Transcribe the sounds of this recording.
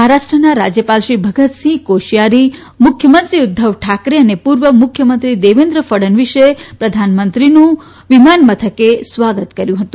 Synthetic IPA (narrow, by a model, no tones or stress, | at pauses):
ɦaɾaʃʈɾənaɾa̰d͡ʒjəpalʃibʱəɡət̪sĩkoʃijaɾi | mʊkʰjəmənt̪ɾiud̪ʱːəʋʈʰakɾeənepuɾʋəmʊkʰjəmənt̪ɾid̪eʋend̪ɾəfəɽənʋiʃepɾəd̪ʱanmənt̪ɾinũ | ʋimanmət̪ʰəkesʋaɡət̪kəɾjũɦət̪ũ